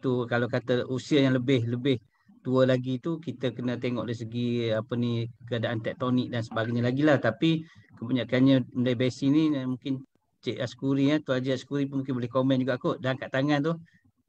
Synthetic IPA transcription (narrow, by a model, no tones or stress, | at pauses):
t̪ukalawkat̪əʔusiajaŋləbɪhləbɪh | t̪uəlaɡit̪ukit̪əkənət̪eŋɔʔdajs̬əɡiapənikəadaʔant̪ɛk̚t̪onɪk̚dansəbaɡajɲəlaɡilaht̪apikəbaɲaʔkanɲəməlajbesinimũkɪn | t͡ʃeʔasə̥kuɾiat̪uad͡ʒiasə̥kuɾip̬ʊnmũŋkɪnbolɛhkomɛnd͡ʒuɡakʊʔdankaʔt̪aŋant̪uh